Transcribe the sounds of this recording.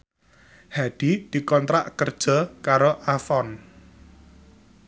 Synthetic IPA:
haɖ̥id̪̥i̤kɔnt̪ɾaʔkərd̥ʒ̥ɔ̤kaɾoʔafɔn

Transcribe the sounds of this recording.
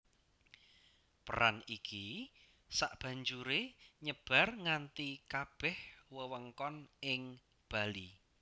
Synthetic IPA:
pə̰ɾa̰niki | saʔb̥ä̤ɲd͡ʒuɾeɲəb̥a̤rŋant̪ikab̥ɛhwəwəŋkɔnɪŋ | b̥a̤li

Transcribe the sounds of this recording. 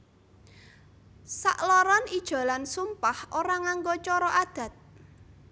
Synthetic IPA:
sa̰ʔlɔɾɔnid̥ʒ̥ɔ̤lansumpahʔoɾaŋaŋɡot͡ʃɔɾɔʔad̪̥ä̤t̪̚

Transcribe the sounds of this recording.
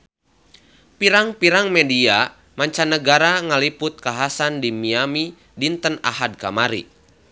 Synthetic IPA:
piɾaŋpiɾaŋmɛdia | maɲt͡ʃanəɡaɾaŋəlipʊt̪̚kaɦasandimiami | dint̪əna̰ɦad̚kamaɾḭ

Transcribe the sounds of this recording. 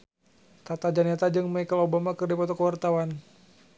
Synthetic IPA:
t̪at̪ad͡ʒanɛt̪ad͡ʒɨŋmajkalobamakɨrdipɔt̪ɔkəwart̪awan

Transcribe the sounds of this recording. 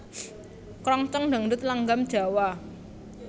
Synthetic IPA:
kɾɔŋt͡ʃəŋɳdaŋdʊt̪̚laŋɡamd̥ʒ̥a̤wa

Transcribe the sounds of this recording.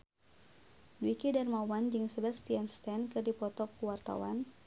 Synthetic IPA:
dwikidarmawand͡ʒɨŋsəbast̪ianst̪ɛnkɨrdipɔt̪ɔkːuwart̪a̰wan

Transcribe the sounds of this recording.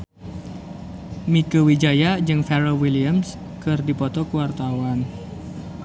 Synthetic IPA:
mikəwid͡ʒajad͡ʒɨŋfɛɾowiliəms | kɨrdipɔt̪ɔkuwart̪awan

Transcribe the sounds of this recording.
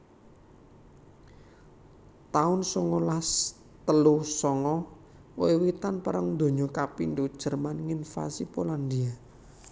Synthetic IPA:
t̪aʊnsɔŋɔlas | t̪əlusɔŋɔ | oewit̪anpaɾəŋnd̪o̤ɲɔkapind̪ud̥ʒ̥ə̤rmanŋinfa̰sipoland̪ia

